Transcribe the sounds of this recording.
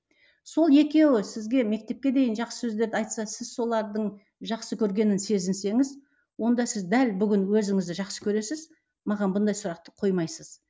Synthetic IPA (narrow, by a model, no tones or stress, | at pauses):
so̞lˠje̞kʲe̞wɪsɪzɡʲe̞me̞k̚t̪e̞p̚kʲe̞d̪e̞jɪnʒɑqsə̥sɵzd̪e̞ɾd̪ɪɑjt̪sɑsɪzso̞lˠɑɾd̪əɴ | ʒɑqsəkʲʰɵɾɡʲe̞nɪnse̞zɪnse̞ŋɪz | wo̞nd̪ɑsɪzd̪ælbʏɡʲɪnwɵzɪŋɪzd̪ɪʒɑqsə̥kʲʰɵɾe̞sɪz | mɑʁɑnbʊnd̪ɑjsʊɾɑq̚t̪ə̥qʰo̞jmɑjsəz